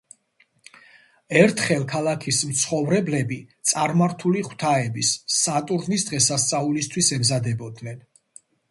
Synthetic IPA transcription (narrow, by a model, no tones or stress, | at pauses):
ɛɾt̪ʰχɛlˠkʰalˠakʰismt̪sʰχɔvɾɛblɛbit̪sʼaɾmaɾt̪ʰuliχw̥t̪ʰaɛbisːat̪ʼuɾʁnisd̪ʁɛsast̪sʼaulist̪ʰwisɛmzad̪ɛbɔd̪nɛn